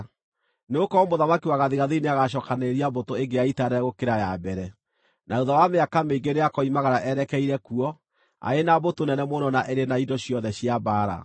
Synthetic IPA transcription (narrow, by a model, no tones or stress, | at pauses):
neokɔmoðamakiwaɣaðiɣaðeineaɣaɕɔkaneɾiabotoeŋɡeaitaɾɛɛɣokeɾajabɛɾɛ | nʔaoðawameakameiŋɡeneakɔimaɣaɾaʔɛɾɛkɛiɾɛkuɔ | a̰enabotonɛnɛmonɔnaʔeɾenaidɔɕjɔðɛɕiabaːɾa̰